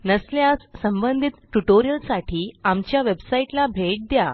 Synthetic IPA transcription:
nəsljassəmbənd̪ʱit̪̚ʈuʈoɾijəlsaʈʰiːamt͡ɕjaʋebsaiʈlabʱeʈ̚d̪ja

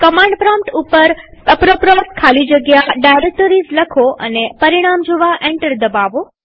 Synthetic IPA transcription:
kəmãɳɖpɾɔ̃mpʈupəɾəpɾəpɾɔskʰalid͡ʒəɡjaɖajɾek̚ʈoɾizləkʰoʔə̰nepəɾiɽ̃amd͡ʒoʋaʔɛ̃ɳʈəɾd̪əbaʋo

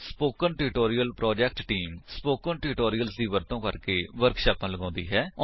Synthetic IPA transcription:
spoːkənʈɪɾɪʈoːɾijəlpɾɔːd͡ʒɛːk̚ʈʈiːmspoːkənʈɪɾɪʈoːɾɪjəlsd̪iːʋəɾt̪õːkəɾkeːʋəɾkʃaːpãːləɡãːnd̪iːɦɛːɔ

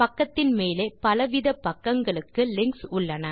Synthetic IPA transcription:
pɐkːɐt̪ːɪnmeːleːpɐlɐʋɪðɐpːɐkːɐŋɡɐɭɯkːɯlɪŋksʊɭːɐnɐ

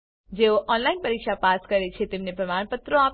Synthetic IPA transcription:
d͡ʒeoʔɔnlainpəɾikʃapaskəɾet͡ʃʰet̪emnepɾəmaɽ̃pət̪ɾoap

